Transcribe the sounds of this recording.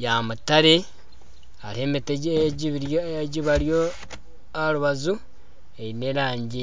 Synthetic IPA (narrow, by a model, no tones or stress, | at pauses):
jamutaɾe | aɾemiteɟɟiβiɾɟiβaɾjo | aɾuβazu | eineɾaːɲɟi